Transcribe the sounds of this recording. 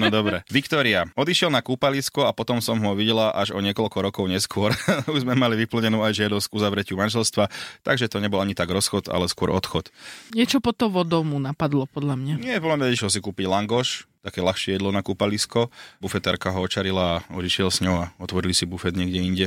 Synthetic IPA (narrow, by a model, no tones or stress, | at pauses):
nɔd̪ɔbɾɛʋikt̪ɔɾiaɔd̪iʃɪɛlnakuːpaliskɔapɔt̪ɔmsɔmɦɔʋiɟɛlaʔaʒɔɲɪɛkɔlkɔɾɔkɔʊɲɛskʊɔɾuʒzmɛmaliʋipl̩ɲɛnuːajʒɪad̪ɔscuzaʋɾɛcɪumanʒɛlst̪ʋat̪aɡʒɛt̪ɔɲɛbɔlaɲit̪aɡɾɔsxɔt̪a̰lɛskʊɔɾʔɔt̪xɔt̪ɲɪɛt͡ʃɔpɔt̪ɔʋɔd̪ɔmunapad̪lɔpɔd̪ʎamɲaɲɪɛpɔlamɲɛiʃlɔs̬ikuːpiɟlaŋɡɔʃt̪akɛːlaxʃɪɛjɛd̪lɔnakuːpaliskɔbufɛt̪aɾkaɦɔɔt͡ʃaɾilaːɔd̪iʃɪɛlsɲɔʊaɔt̪ʋɔɾilisibufɛd̪ɲɪɛɡɟɛiɲɟɛ